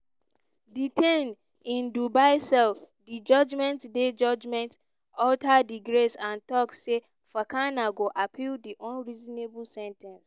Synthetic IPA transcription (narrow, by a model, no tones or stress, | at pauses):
ditʰẽn | ĩndubaɪsɛlf | did͡ʒɔd͡ʒmɛ̃ntded͡ʒɔd͡ʒmɛ̃nt | ɔltʰadiɡɾesãntɔkse | fakãnaɡoʔapʰildiʔɔ̃nɹizɔnebulsɛ̃ntʰɛ̃ns